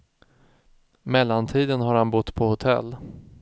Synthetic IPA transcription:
mɛlːant̪ʰiːd̪ənɦaɾhanbʊt̪ːpʰɔhʊt̪ʰɛ̰lː

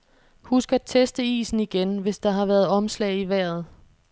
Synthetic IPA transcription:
husɡ̥ɐæt͡sʰesd̥əḭːsn̩iɡ̥enʋe̝sd̥ɑ̈ɦɑ̈ʋæːɐð̞̩ˠɒ̽mslɛ̰ːɪiʋæɐ̰ð̞̩ˠ

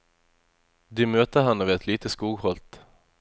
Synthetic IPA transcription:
d̪ɪmøːt̪əɦanːəvɪɛt̪ʰliːt̪əskuːɡhɔlt̪

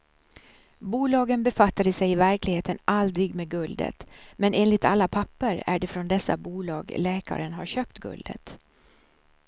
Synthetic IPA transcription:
buːlɑːɡənbɛfat̪ːad̪əsɛjɪvæɾklɪɡheːt̪ənʔald̪ɾɪɡmeɡɵld̪ə̰t̪mɛnʔeːnlɪt̪ʰa̰lːapʰapːəɾæ̰ɖɛfɾɔnd̪ɛsːa̰buːlɑ̰ːɡlɛːka̰ɾənɦaɾɕøːpt̪ɡɵ̰ld̪ə̰t̪

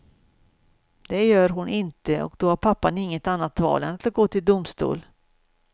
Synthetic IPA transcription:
d̪̥ɛjœːɾɦʊnʔɪnt̪əɔ̰kd̪ɔhaɾpʰapːanɪŋːət̪anːat̪vɑ̰ːlə̰naat̪̚ɡoːt̪ʰɪld̪ʊmst̪ṵːl

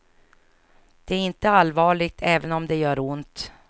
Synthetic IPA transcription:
d̪̥ɛæɾɪnt̪əalvɑːɭɪɡ̚t̪ʰɛːvənɔmd̪ɛjœːɾʊnt̪

